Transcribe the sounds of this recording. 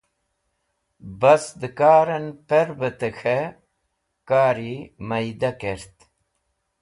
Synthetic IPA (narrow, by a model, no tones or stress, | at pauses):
bɐsd̪əkaːɾɐnpeɾbət̪əxʰe | kaːɾimɐjd̪akeɾt̪